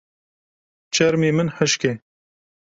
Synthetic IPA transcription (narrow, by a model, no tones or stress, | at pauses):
t͡ʃʰɛɾmeːmɨnħəʃke